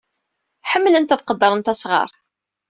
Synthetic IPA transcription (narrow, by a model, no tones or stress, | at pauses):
ħəmːlænt̪æðqəd̪ːəɾˤənt̪æsʁɑ̰ɾˤ